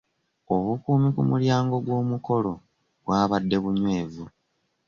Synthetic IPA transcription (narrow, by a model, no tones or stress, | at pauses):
o̞βukuːmikumuljaːŋɡo̞ɡwo̞ːmuko̞lo̞ | bwaːβadːe̞βuɲwe̞ːvu